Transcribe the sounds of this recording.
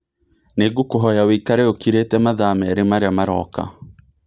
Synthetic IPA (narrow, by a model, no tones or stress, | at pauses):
neɡukoɦɔjaweikaɾɛokiɾetɛmaðamɛɛɾemaɾeamaɾɔka̰